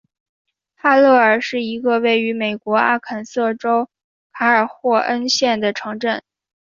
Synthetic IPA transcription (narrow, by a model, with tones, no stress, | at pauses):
xa˥˧lɤ˥˩ə˞˨˩ʂɻ̩˥˩i˧˥ɡə˧we˥˩ɪy˧˥me˨˩ɪkwɔ˧˥a̰˥˩kʰə˨˩nsɤ˥˩ʈ͡ʂo˥ʊ | kʰa˧˥ə˞˨˩xwɔ˥˩ʔə˥nɕjɛ˥˩nd̪ə˩ʈ͡ʂʰɤ˧˥ŋʈ͡ʂə˥˩n